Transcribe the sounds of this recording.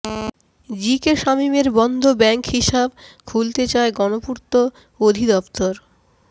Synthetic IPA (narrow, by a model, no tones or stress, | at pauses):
d͡ʑikeʃamimeɾbɔnd̪ʱobɛŋkhiʃabkʰult̪et͡ɕaeɡɔnopuɾt̪o | od̪ʱid̪ɔpt̪oɾ